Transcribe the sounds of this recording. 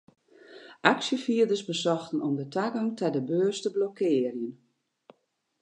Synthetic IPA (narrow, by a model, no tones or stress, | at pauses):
ʔaksjəfiədəsbəsɔxtənɔmdətaɡɔŋtʰɛdəbøːstəblokʰɪːərjən